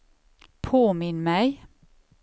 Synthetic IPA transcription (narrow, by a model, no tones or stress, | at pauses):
pʰoːmɪnmæɪ